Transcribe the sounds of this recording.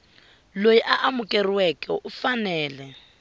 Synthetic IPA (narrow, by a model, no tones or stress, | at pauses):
lojiʔaʔamʊkʼeriwɛkɛ̰ufanɛːlɛ